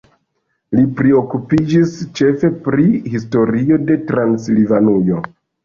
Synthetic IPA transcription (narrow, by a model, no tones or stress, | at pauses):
lipɾio̞kupid͡ʒist͡ʃe̞fe̞pɾihisto̞ɾio̞de̞tɾanslivanujo̞